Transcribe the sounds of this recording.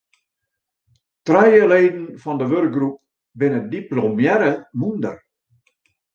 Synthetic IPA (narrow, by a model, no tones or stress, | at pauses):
trɛjəleːdn̩fɔndəʋørk̚ɡrup̚ | bɪnədiplomjɛɾəmundə̰r